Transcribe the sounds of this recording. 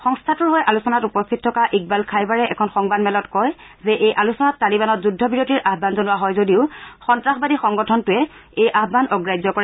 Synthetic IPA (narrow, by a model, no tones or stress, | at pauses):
xɔŋstʰatʊɹɦojʔalusɔnatupɔstʰittʰɔkaʔik̚balkʰajbaɹɛɛkʰɔnxɔŋbadmɛlɔtkɔjzɛʔejʔalusɔnatːalibanɔtzudʱːɔbiɹotiɹʔaɦbanzɔnʊwaɦɔjzodiʊxɔntɹaxbadixɔŋɡɔtʰɔntʊɛejʔaɦbanɔɡɹajzɔkɔɹɛ